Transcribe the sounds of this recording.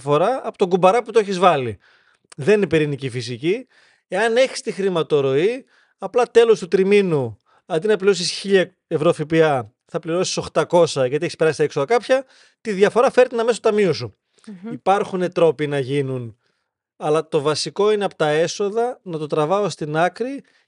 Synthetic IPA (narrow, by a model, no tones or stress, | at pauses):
fo̞ɾɐːpot̪oŋɡubɐɾɐput̪oeçizvɐli | ðeninepeɾinicifis̬ici | eɐne̞çi̥st̪ixɾimɐt̪o̞ɾo̞i | ɐplɐt̪e̞lo̞st̪ut̪ɾiminu | ɐnd̪inɐpliɾo̞sisçiʎɐ | evɾo̞fipiɐ | θɐpliɾo̞si̥so̞xt̪ɐko̞sɐʝɐt̪ieçispe̞ɾɐsi̥t̪ɐeksoðɐkɐpçɐ | t̪iðʝɐfo̞ɾɐfe̞ɾt̪enɐmest̪ot̪ɐmiosu | ipɐɾxune̞t̪ɾo̞pinɐʝinun | ɐlɐt̪o̞vɐsiko̞ineɐpo̥t̪ɐe̞so̞ðɐnɐt̪o̞t̪ɾɐvɐost̪inɐkɾi